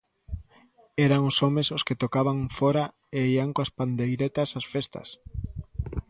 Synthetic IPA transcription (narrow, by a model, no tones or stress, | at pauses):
ɛɾaŋʊsɔmesʊsket̪okaβaŋfɔɾa | eiaŋkoaspand̪ejɾet̪ɐsasfest̪ɐ̰s